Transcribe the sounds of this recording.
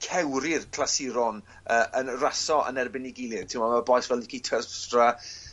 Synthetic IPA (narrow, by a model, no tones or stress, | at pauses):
kʰɛwɾɪrkʰlˠasɪɾɔn | əʔənrasɔʔə̰nɛrbɪniɡɪlˠɪ̥tʰɪmɔməbɔjsvɛlˠɪkʰitʰəstra